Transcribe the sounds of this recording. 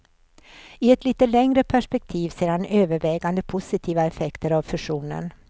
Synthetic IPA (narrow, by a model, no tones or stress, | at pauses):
ɪɛt̪liːt̪əlɛŋɾəpʰæʂpɛk̚t̪ʰiːvseːɾhanøːvəɾvɛːɡand̪əpʰʊsɪt̪ʰiːvaɛfɛkt̪əɾavfɵʂuːnə̰n